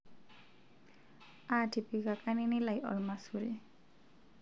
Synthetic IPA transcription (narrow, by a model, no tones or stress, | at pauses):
aʈʰipikakaninilajʌ̰ɾmasuɾe